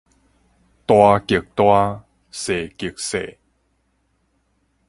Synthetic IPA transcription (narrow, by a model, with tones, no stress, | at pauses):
t̪waː˧ki˨˩k̚t̪waː˧ | seː˨˩ki˨˧k̚seː˨˩